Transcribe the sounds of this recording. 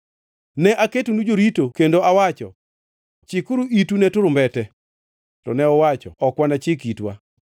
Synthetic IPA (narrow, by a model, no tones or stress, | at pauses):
nɛʔaketunud͡ʒoɾitokendoawat͡ʃɔ̰ | t͡ʃɪkʊɾuitunɛtʊɾʊmbɛtɛ | tɔ̰nɛɔwat͡ʃɔ̰ɔkwanat͡ʃɪkitwa̰